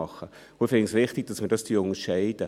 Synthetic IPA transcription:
ɑχːə | ʊəfɪŋsvɪχtɪɡ̚d̥ɑsmədɑsd̥iːʊŋəʃɛɪd̥ə

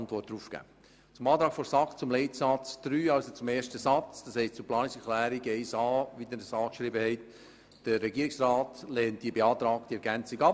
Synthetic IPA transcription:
ntʋɔrt̚d̥ɾuːfkæ̰ː | t͡sʊmɑːt̪ɾɑːkfɔɾsɑkt͡sʊmlɛɪtsɑt͡sd̪̥ɾyːɑlsot͡sʊmeːʃtəsɑt͡sd̥ɑshɛɪstt͡sʊplɑːnɪsɛklæːɾiɡɛɪsɑːʋidədəsɑːkʃɾibəhɛɪt | d̥əɾɛɡiːɾɪksrɑːtlɛːnt̚d̥iəbeɑːt̪ɾɑːk̚d̥iɛɾɡænt͡siɡɑ

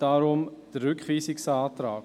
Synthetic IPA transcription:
d̥aːɾʊmd̥əɾʏkχviːsiksɑːtraː

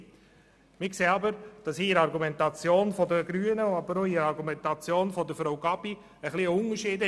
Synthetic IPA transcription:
mɪkseːɑbəɾd̥ɑshiːɾɑɾɡumɛntɑt͡sjoːnfɔdəɡ̥ɾyːənəɑbəɾoiːɾɑɾɡumɛntɑt͡sjoːnfɔdəfɾawɡɑbi | əχliəʊnəʃiːd

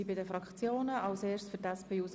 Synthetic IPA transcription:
ibɪdəfɾɑkχt͡sjoːnəʔɑlseːrt͡ssfyɾtɛspʰeːus

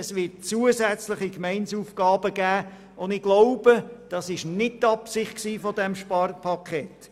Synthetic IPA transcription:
əsʋɪt̚t͡suəsɛt͡slɪχikmɛɪnsuːfɡ̥ɑːbəɡæː | ʊndɪɡ̥loʊb̥əd̥ɑsɪʃnɪt̚tɑpsɪχtksiːfɔdɛmʃpɑrpʰɑkʰet

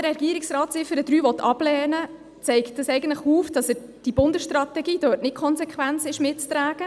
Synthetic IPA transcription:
ɾɛɡ̥iəɾɪksrɑːtsɪfəɾəd̥ɾyːʋɔt̪ʰːɑ̰b̥lɛːnə | t͡sɛɪkt̚dəsɛɪɡəntləχuːfd̥ɑsəɾ | d̥ibʊndəsʃtɾɑt̪ɛɡiːd̥øːtnɪtkʰɔnsɛkχʋænt͡sɪʃmɪtt͡st̪ɾæːɡə

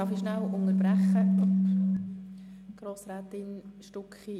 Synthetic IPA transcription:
ɑfiʃnalʊnəɾbɾɛχə | ɡ̥ɾoːsraːtɪnʃtʊkχi

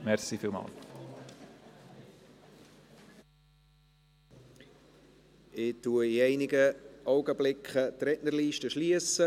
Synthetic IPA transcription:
mɛɾsifiːlmɑ̰ːl | ɪtuəiɛɪnɪɡəʔɔʊɡəblɪkχətɾɛtnəɾliːʃtəʃliəsə

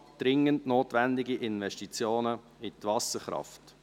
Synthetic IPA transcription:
d̥ɾɪŋəntnoːtʋɛndɪɡiʔɪnvɛʃtit͡sjoːnə | itvɑsəχɾɑ̰ft

